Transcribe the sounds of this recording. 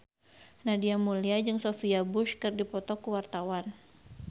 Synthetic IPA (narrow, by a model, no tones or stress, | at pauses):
nadiamuliad͡ʒɨŋsofiabʊʃkɨrdipɔt̪ɔkuwart̪awan